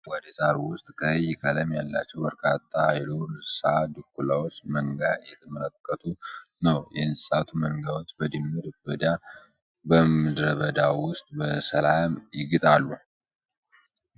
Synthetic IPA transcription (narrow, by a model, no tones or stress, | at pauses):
wɔd̪əzaɾuwʊst̪ʼkʰəjːɪkʼʰələmjalːa̰t͡ʃːɛwbəɾkʰat̪ʰʼːajɛloɾsad̪ɨkːulawot͡ʃːməŋɡajɛt̪ʰəmələkːət̪ʰunəwjɛɨnsʼat̪ʰuməŋɡawo̞t͡ʃːbəd̪ɨnːɨd̪bəd̪a | bəmɨd̪ɾəβəd̪awʊst̪ʼbəsəlamjɪɡɨt̪ʼalːu